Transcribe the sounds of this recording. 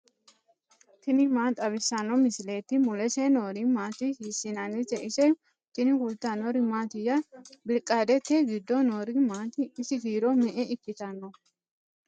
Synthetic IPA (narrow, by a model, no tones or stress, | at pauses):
t̪ɪnɪmaːt̪ʼɐβɪsɐnːɔmɪsɪleːt̪ːɪmʊlɛsenoːɾimaːt̪ɪhiːsɪnanɪt̪ɛʔɪsɛj | t̪ɪnɪkʊlt̪anɔɾimaːt̪ɪjɐbɪlkʼaːd̪ɛt̪ːeɡɪd̪ːɔnoːɾɪmaːt̪ɪɪsɪd̪iːɾɔmɛʔɛɪkːɪt̪ɐnːɔ